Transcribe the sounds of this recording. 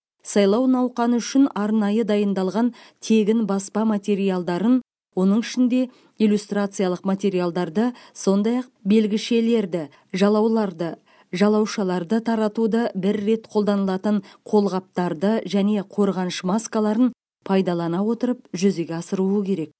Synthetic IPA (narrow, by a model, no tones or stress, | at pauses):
sɑjlˠɑwnɑwqɑnəʏʃɪnɑɾnɑjəd̪ɑjənd̪ɑlˠʁɑnt̪ʰe̞ɡʲɪnbɑspɑmat̪ʲe̞ɾijalˠd̪ɑɾən | wo̞nəɴɪʃɪnd̪e̞ | ijlʲust̪rat̪sɨjalˠəqmat̪ʲe̞ɾijalˠd̪ɑɾd̪əso̞nd̪ɑjɑq̚be̞lɡʲɪʃe̞le̞ɾd̪ɪ | ʒɑlˠɑwlˠɑɾd̪ə | ʒɑlˠɑwʃɑlˠɑɾd̪ət̪ʰɑɾɑt̪ud̪əbɪɾːe̞t̪qʰo̞lˠd̪ɑnəlˠɑt̪əɴqʰo̞lˠʁɑp̚t̪ɑɾd̪əʒæne̞qʰo̞ɾʁɑnʃəmaskalˠɑɾən | pʰɑjd̪ɑlˠɑnɑwo̞t̪əɾəp̚ʒʏze̞ɡʲeɑsəɾuəkʲʰe̞ɾe̞k̚